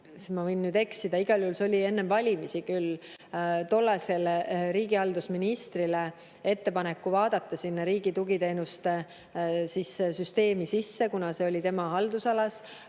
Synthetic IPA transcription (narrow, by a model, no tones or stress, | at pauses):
smɑvɤjnːyːd̪e̞ksid̪̥ɑiɡ̥ɑljuhulsolʲie̞nːe̞mvɑlʲimisikyl | t̪o̞lːɑse̞lɾiːɡiɑld̪usminist̪rile | e̞t̪ːe̞pɑne̞kːˑuvɑːd̪̥ɑt̪ˑːɑsinːɑɾiːɡ̥it̪uɡ̥it̪e̞ːnust̪ | sissyst̪e̞ːmisisːe̞kunɑse̞o̞lʲit̪e̞mɑɦɑld̪usɑlɑs